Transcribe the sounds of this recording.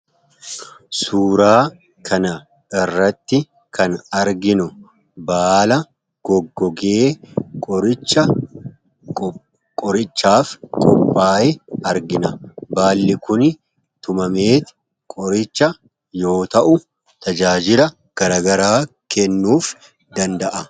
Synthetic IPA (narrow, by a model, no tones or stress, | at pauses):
suːɾaː | kʰɐnɐ | ɪrːɐt̪ːɪ | kɐnɐɾɡɪnʊ | baːlɐ | ɡ̥ɔɡːɔɡeːkʼɔɾɪt͡ʃːɐ | kʼɔɾɪt͡ʃːaːfkʼɔpʼːaːjɛɐɾɡɪnɐbaːlːɪkʊnɪ | t̪ʊmɐmeːt̪ɪ̥ | kʼɔɾɪt͡ʃːɐ | jo̞ːt̪ɐʔʊ | t̪ɐd͡ʒaːd͡ʒɪlɐ | ɡ̥ɐɾaːɡɐɾaːkɛnːuːf | d̪ɐnd̪ɐʔɐ